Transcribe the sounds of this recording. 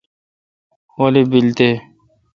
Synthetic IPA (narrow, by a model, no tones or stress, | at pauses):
hoːlebilt̪eː